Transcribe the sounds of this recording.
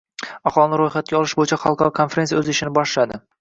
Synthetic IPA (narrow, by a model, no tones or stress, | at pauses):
aχɒlˠɪnɪɾojχat̪̚kʲaɒlɪʃbojɪt͡ʃʰaχɑlˠqʰɑɾɒkʰonfeɾeijaɵzɪʃɪnɪbɒʃlad̪ɪ